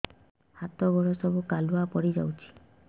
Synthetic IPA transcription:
hat̪ɔbɔɹɔsɔbukaluapɔɽid͡ʒa̰wt͡ʃʰi̥

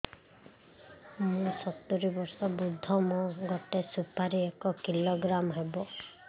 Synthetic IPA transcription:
mũsɔt̪ːuɾibɔɾsɔbud̪ʱːɔmɔ̃ɡɔt̪esupaɾiekɔkilɔɡɾamɦebɔ

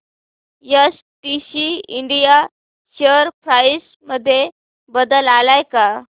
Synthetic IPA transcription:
jəs | ʈiɕiiɳɖija | ɕəɾpɾais | məd̪ʱːje | bəd̪əlalajka

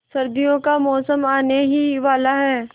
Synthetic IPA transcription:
sɐɾd̪ijõkamɔːsəmaːneɦiʋaːlaɦɛː

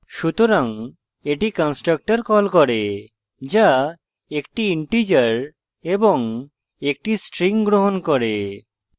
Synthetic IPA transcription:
ʃut̪oɾaŋ | eʈikɔnsʈɾak̚ʈaɾkɔlkɔɾe | d͡ʒa | ekʈiiɳʈid͡ʒəɾ | ebɔŋ | ek̚ʈisʈɾiŋɡɾoɦɔnkɔɾe

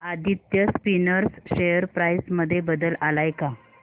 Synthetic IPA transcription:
ad̪ʱit̪jəspinəɾsɕejəɾpɾajsməd̪ʱːjebəd̪əlalajka

